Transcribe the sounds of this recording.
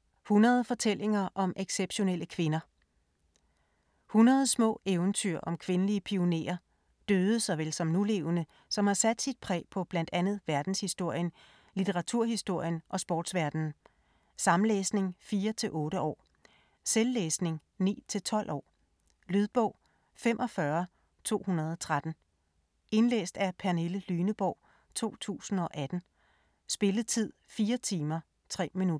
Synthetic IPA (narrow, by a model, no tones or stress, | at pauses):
hunɐð̞̩ˠfɒ̽t͡sʰel̰e̝ŋɐʔɒ̽mʔeɡ̥seb̥ɕo̝nel̰ʔəkʰʋe̝nɐ | hunɐð̞ˠsmɔ̰̽ːeːʊnt͡sʰyɐ̰ʔɒ̽mkʰʋe̝nəliəpʰio̝ne̝̰ːɐ | d̥øːð̞ˠəsɒ̽ʋel̰sɒ̽mnule̝ːʊnə | sɒ̽mhɑ̈sæd̥sid̥̚pʰʁɛ̰ːpʰɒ̽b̥læn̰d̥ænð̞̩ˠʋæɐd̥n̩shisd̥o̝ɐ̰jən | lit͡sʰeʁɑ̈t͡sʰuɐ̰hisd̥o̝ɐ̰jənʔɒ̽sb̥ɒːd̥sʋæɐd̥n̩ | sɑ̈mn̩leːsne̝ŋfiːɐt͡sʰe̝ʔɔ̽ːɾəɒ̰ː | selːeːsne̝ŋ | nḭːt͡sʰe̝lt͡sʰɒ̽l̰ʔɒ̰ː | lyð̞ˠb̥ɔ̽ʊ̰ | fem̰ʔɒ̽fɶɐ | t͡sʰo̝̰ːhunɐð̞̩ˠɒ̽t͡sʰʁad̥n̩ | e̝nlḛːsd̥æpʰæɐneləlyːnəb̥ɒʊ̰ | t͡sʰo̝̰ːt͡sʰṵːsn̩ɒ̽ʔæd̥n̩ | sb̥e̝ləð̩ˠt͡sʰið̞̰ˠfiːɐt͡sʰiːmɐ | t͡sʰʁɛ̰ːminudɐ